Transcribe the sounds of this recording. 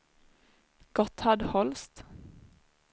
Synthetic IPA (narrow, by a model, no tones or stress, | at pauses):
ɡ̥ɔt̪hɑd̪hɔlst̪